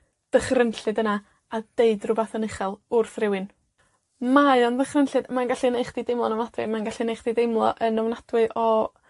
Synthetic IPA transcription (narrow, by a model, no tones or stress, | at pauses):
d̥əχrənɬɨdəna | ad̥eɨdrʊbaθɔnɪχɛlˠʊrθrɪwɨn | maɨɔnðəχrənɬɨdmanɡaɬinejχd̥idejmlˠɔnɔwnadwɨ̰manɡaɬinejχd̥idejmlˠɔʔənɔwnad̥wɨʔɔ